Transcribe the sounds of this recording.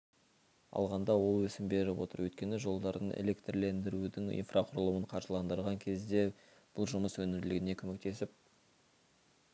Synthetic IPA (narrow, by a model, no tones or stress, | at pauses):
ɑ̰lˠʁɑnd̪ɑwo̞lˠwɵsɪmbe̞ɾɪpwo̞̰t̪əɾwɵt̪kʲe̞nɪʒo̞lˠd̪ɑɾənḛle̞kt̪rle̞nd̪ɪɾud̪ɪŋḭnfrʔaqʰʊɾəlˠuwəɴqʰɑɾʒəlˠɑnd̪əɾʁɑŋkʲʰe̞zd̪e̞ | b̥ʊlˠʒʊməswɵnɪɾlɪɡʲɪne̞kʲʰɵme̞k̚t̪e̞sɪp̚